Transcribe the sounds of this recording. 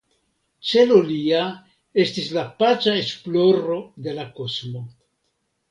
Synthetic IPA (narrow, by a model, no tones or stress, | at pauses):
t͡ʃe̞lolia | e̞stislapat͡ʃae̞splo̞ɾo̞de̞lako̞smo̞